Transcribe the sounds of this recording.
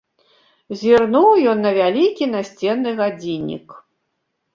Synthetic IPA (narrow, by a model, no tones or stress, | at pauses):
zʲirnuwjɔnːɐvʲalʲikʲinasʲt͡sʲɛnːɨɣad͡zʲinʲḭk